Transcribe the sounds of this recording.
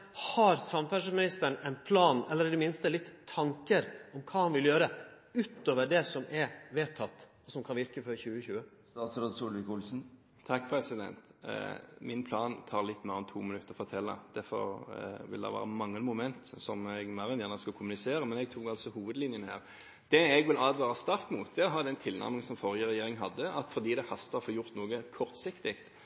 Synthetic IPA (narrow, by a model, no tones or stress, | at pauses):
hɑɾsɑmfæʂmɪnɪst̪əɳɛɪnpʰlɑːnɛlːəɾɪd̪ɛmɪnst̪əlɪt̪ʰːɑŋkəɾɔmkʰɑːhɑnʋɪljøːɾə | ʉːt̪oːʋəɖɛsɔmɛɾʋeːt̪ʰɑt̪ː | ɔsɔmkʰɑnʋɪɾkəfɔɾçʉːəçʉːə | st̪ɑːt̪sɾoːd̪suːlʋɪkʊlsn̩ | t̪ʰɑkːpʰɾɛsɪd̪ɛ̰nt̪ | mɪnpʰlɑːnt̪ʰɑːɾlɪt̪ːmæːʁɔmt̪ʰuːmɪnʉt̪ːəʁfɔʁt̪ʰɛlːɑ̰d̪̥æfɔ̰ɾʋɪ̰ld̪ɛ̰ʋæ̰ːɾʁəmɑŋːəmʊmɛnt̪sɔmɛɡmæɾɛnjæːʁnəskɑkʰʊmʉnɪseːɾəmɛnɛɡ̚t̪ʰuːɡɑlsɔhuːʋəd̪lɪnjənhæ̰ːʁ | d̪̥ɛɛɡʋɪlɑːd̪ʋæːɾəst̪ɑɾkmuːt̪̚d̪ɛɔɦɑːd̪ɛnt̪ʰɪlnʔæ̰ʁmɪŋsɔmfɔʁɪjəɾɛjeːɾɪŋɦɑd̪ːəʔɑt̪fɔɾd̪iːd̪ɛhɑst̪ɑɾfoːjʊɾt̪nuːɡəkʰɔɾt̪sɪkt̪ɪkt̪